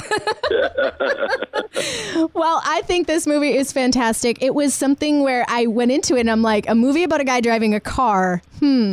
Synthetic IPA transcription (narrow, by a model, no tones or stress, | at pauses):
wɛlˠʔaɪθɪ̃ŋk̚ðɪsmuviɪz̥fæ̃ntʰæstɪkɪʔ̚wʌz̥sʌ̃mθɪ̃ŋwə˞ʔaɪwɛ̃ɾ̃ɪ̃ntʰʉɨɾɨ̃nãɪ̃mlaɪkɨmuviɨbaʊɾɨɡaɪdɹaɪvɪ̃ŋɨkʰɑɹm̥m̩